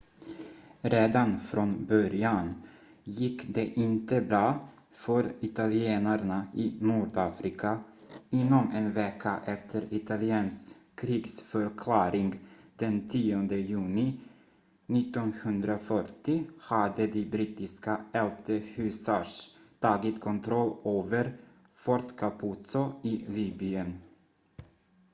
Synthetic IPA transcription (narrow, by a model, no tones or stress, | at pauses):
ɾeːd̪anfɾɔnbœɾjan | jɪkːd̪ɛʔɪnt̪əbɾɑː | fœɾɪt̪alɪeːnaɾɳaʔɪːnuːɖɑːfɾɪkʰaɪnːɔmɛnveːkʰːaʔɛft̪ʰəɾɪt̪ʰalɪɛːnskʰɾiːɡsfœɾkʰlɑːɾɪŋɡd̪̥ɛnt̪ʰiːɔnd̪əjʉ̟ːnɪ | nɪt̪ːɔnhɵnd̪ɾafœʈɪhad̪əd̪ɪbɾiːt̪ɪskaɛlt̪ʰəhʉ̟ːsaʂt̪ʰɑːɡɪt̪kʰɔnt̪ʰɾɔlːøːvəɾ | fɔɾt̪kʰapʰuːt̪sɔɪliːbɪən